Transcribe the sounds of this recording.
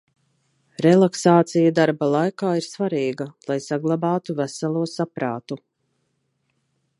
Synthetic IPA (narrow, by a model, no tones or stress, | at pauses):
ɾɛlˠaksaːt̪sijad̪aɾbalˠajkaːiɾsvaɾiːɡalˠajsaɡlˠabaːt̪uvæsalˠuɔsapɾaːt̪u